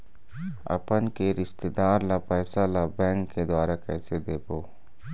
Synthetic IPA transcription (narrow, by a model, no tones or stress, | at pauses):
ɐ̰pənkeɾɪʃt̪ed̪aːɾlapɛːsalabɛ̃ːŋkːed̪waːɾakɛːsed̪eːboː